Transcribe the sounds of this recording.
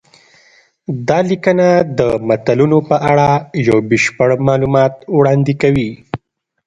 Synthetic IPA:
d̪ɑlikənad̪əmat̪alunopəʔaɽajawbɪʃpəɽmɑlumɑt̪wɽɑnd̪ɪkawi

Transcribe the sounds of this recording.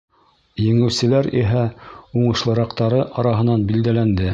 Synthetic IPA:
jɘ̆ŋɘ̆wsɘ̆læɾḭɦæuɴɤ̆ʃlˠɤ̆ɾɑqt̪ɑɾɤʔɑɾɑɦɤ̆nɑnbild̪ælænd̪ɘ

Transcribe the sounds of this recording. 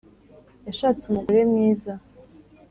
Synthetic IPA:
jaʃaːt͡sumuɡuɾemɲiːza

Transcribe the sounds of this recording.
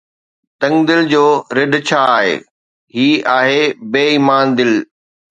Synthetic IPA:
t̪ɐ̃ŋɡd̪ɪld͡ʑoːɾɪɖt͡ɕʰaːɦḛː | ɦiːaːɦebeːiːmaːnd̪ɪl

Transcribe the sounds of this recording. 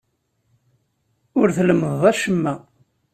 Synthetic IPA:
ʊɾθləməðæʃəmːæ

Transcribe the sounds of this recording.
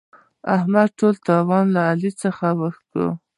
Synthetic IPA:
ahmad̪̚ʈolt̪ɑwɑnlaːlit͡səxawəxkə̰

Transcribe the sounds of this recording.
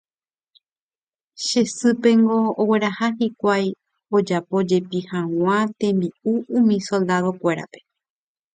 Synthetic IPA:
ʃe̞sɨpe̞ŋɡo̞ːwe̞ɾahaɦikʷaj | o̞d͡ʒapo̞d͡ʒe̞pihãw̃ãt̪ẽ̞mbiuũmĩso̞ld̪aðo̞kʷe̞ɾa̰pe̞̥

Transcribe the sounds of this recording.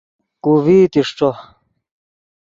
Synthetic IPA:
kuβiːt̪iʂʈ͡ʂo

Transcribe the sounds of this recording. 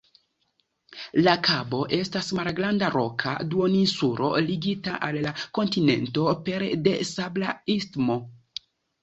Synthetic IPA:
lakabo̞ʔe̞stasmalɡɾandaɾo̞kʰa̰duoninsuɾo̞̰liɡitaʔalːako̞ntine̞̰nto̞pe̞ɾde̞sablaistmo̞

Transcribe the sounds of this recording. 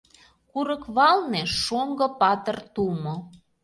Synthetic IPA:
kuɾəkβɑlneʃoŋɡɤ̆pɑt̪ə̆rt̪ulmo

